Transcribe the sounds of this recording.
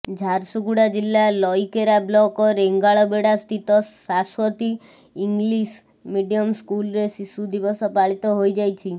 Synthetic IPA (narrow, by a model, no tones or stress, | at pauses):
d͡ʒʱaɾsuɡuɽad͡ʒilːalɔjkeɾablɔkɔɾeŋɡaɭɔbeɽast̪ʰit̪ɔsaswɔt̪i | iŋɡlis | miɖijɔmskulɾesisud̪ibɔsɔpaɭit̪ɔɦojd͡ʒajt͡ʃʰi